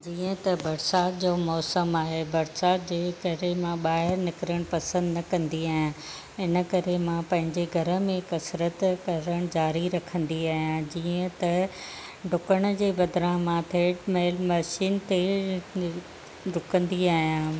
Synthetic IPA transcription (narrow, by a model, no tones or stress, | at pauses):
d͡ʑiːə̃t̪ɐbɐɾsaːt̪̚d͡ʑoːmɔːsəmaːɦebɐɾsaːt̪d͡ʑeːkɐɾemãɓaːɦɪɾnɪkɾəɽ̃pɐsə̃nd̪nɐkɐ̃nd̪iaːɦijã | ɪnə̆kɐɾemãpɐ̃ɦɪ̃ɲd͡ʑeɡʱɐɾə̆mẽkɐsɾət̪kɐɾəɽ̃d͡ʑaːɾiɾɐkʰə̃nd̪iaːɦijãd͡ʑiːə̃t̪ɐ | ɖʱʊkəɽ̃d͡ʑeːbɐd̪ɾãːɦmãt̪ʰeːʈmeːlmɐʃiːnt̪e | ɾʊkə̃nd̪iaːɦijãː